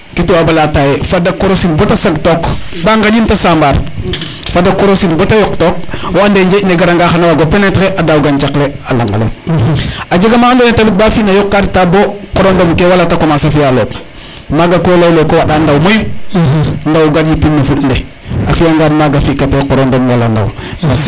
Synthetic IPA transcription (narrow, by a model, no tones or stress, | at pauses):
kituabalatajefadakoɾosilbotasaɡtok | baŋɡaɲintasambaɾ | fadakoɾosilbotajɔktok̚woandeɲd͡ʒeneɡaɾaŋɡaxanawaɡopenetkeʔadawɡant͡ʃakle | ala̰ŋɡa̰lḛ | ad͡ʒeɡamaːndonetabik̚bafinajɔkːattabokɔɾondomkewalatakomasafijalo̰p | maɡakolajlekowaɗandawmoju | ndawɡadipinːefutnde | afijaŋɡadmaɡafikatekɔɾondomwalanda̰wfas